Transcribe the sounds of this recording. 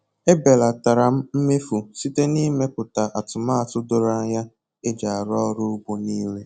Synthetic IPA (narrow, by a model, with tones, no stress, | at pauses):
e˦be˨la˨ta˨ɾa˨m̩˦m̩˦me˦fu˨si˦te˦ni˦me˦pʊ˨ta˨ʔa˨tʊ˨ma˦a˨tʊ˦dʊ˦ɾa˦ja˦ | e˦d͡ʒa˨a˨ɾɔ˦ɾʊ˦ɡ͡bo˨niː˦le˦